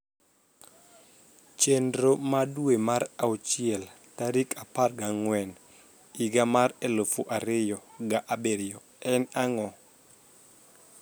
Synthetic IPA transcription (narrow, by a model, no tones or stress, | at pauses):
t͡ʃendɾomaduemaɾaut͡ʃɪɛl | taɾikaparɡaŋwɛn | iɡamaɾɛlofuʔaɾɪjɔɡaʔabeɾɪɔ | ɛnaŋɔ